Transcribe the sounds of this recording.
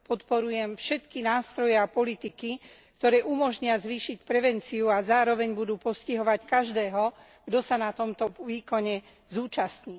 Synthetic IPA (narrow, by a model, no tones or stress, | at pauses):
pɔt̪pɔɾujɛmfʃɛt̪kinaːst̪ɾɔjɛapɔlit̪iki | kt̪ɔɾɛːʔumɔʒɲɪazʋiːʃicpɾɛʋɛnt͡siuazaːɾɔʋɛɲbud̪uːpɔsciɦɔʋackaʒd̪ɛːɦɔ | ɡ̥d̪ɔsanat̪ɔmt̪ɔʋiːkɔɲɛ | zuːt͡ʃast̪ɲiː